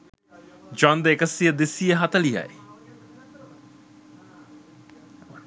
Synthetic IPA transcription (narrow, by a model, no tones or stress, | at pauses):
d͡ʒwand̪əekəsijəd̪esijəɦat̪əliɦa̰j